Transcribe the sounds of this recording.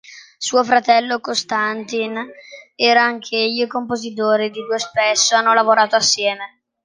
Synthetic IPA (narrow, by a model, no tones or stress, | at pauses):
suːofɾat̪ɛlːokost̪ant̪inɛːɾaaŋk̟ʰejkompozit̪oːɾid̪id̪uːespesːoanːolavoɾaːt̪oasːjɛːme